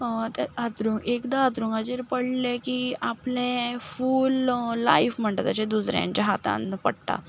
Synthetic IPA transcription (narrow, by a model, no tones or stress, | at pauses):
t̪eat̪ɾũŋɡekd̪aat̪ɾũŋɡat͡ɕeɾpəɽlẽkiaplẽfuːlːa̰ifm̤əɳʈ̪at̪at͡ɕẽd̪usɾjã̰ɲt͡ɕaɦat̪a̰npəɽt̪a̰